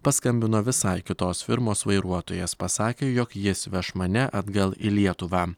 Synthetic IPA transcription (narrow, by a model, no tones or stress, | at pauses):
pɐskɐmʲbʲɪnoːʋʲɪsɐɪkʲɪt̪oːsfʲɪɾmoːsʋɐɪɾuɔt̪oːjeːspɐsɑːkʲeːjɔkjɪsʋʲɛʃmɐnʲɛʔɐd̪ɡɐlˠilʲiɛt̪ʊʋɑː